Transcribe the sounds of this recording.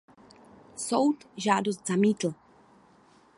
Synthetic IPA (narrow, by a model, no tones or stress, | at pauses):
sowt̪ʒaːdost̪zamiːt̪l̩